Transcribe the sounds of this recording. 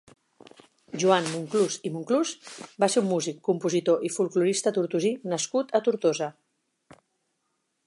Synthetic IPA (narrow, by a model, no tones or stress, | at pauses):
ʒuanmuŋkluzimuŋkluzbaseɾumːuzikːumpuzit̪oʔifulˠkluɾist̪ət̪uɾt̪uzinəskut̪ət̪uɾt̪ozə